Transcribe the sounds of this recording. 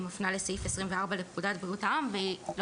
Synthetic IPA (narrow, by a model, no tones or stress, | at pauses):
mofnalesajifesʁimveaʁbalep̚kudat̚bʁiutaamveil